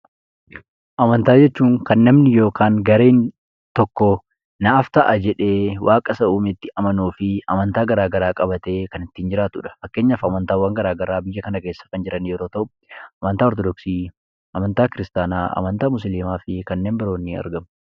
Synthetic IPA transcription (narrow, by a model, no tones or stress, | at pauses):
ʔɐmɐnt̪aːd͡ʒɛt͡ʃːuːŋkɐnːɐmnɪjo̞ːkʰaːŋɡɐɾe̞ːn | t̪ɔkːɔ | nɐʔːft̪ɐʔɐd͡ʒɛᶑe̞ːwaːkʼɐsɐʔuːmɪt̪ːɪʔɐmɐnuːfɪɐmɐnt̪aːɡɐɾaːɡɐɾaːkʼɐbɐt̪e̞ːkɐnɪt̪ːɪːnd͡ʒɪɾaːt̪ʊᶑɐ̥fɐkːe̞ːɲːaːfɐmɐnt̪aːwːaːŋɡɐɾaːɡɐɾaːbɪjːɐkɐnɐke̞ːsːɐ̥kɐnd͡ʒɪɾʔɐnjɛɾo̞ːt̪ɐʔʊ | ʔɐmɐnt̪aːɔɾt̪ɔd̪ɔksiː | ʔɐmɐnt̪aːkɪɾɪst̪aːnaːɐ̰mɐnt̪aːmʊsliːmaːfɪkɐnːe̞ːmbɪɾo̞ːnːɪɐ̰ɾɡɐm